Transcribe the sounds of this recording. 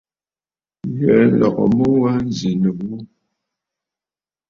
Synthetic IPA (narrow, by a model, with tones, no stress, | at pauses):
jɛ˨˦n̩˦lɔ̰˨kɔ̰˨mo˦wa˦n˦zi˨nə˨ɣu˦